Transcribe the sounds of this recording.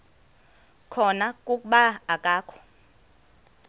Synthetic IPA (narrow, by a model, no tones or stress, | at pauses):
kʰɔnakʼukʼuɓaːkʼaːkʰɔ̥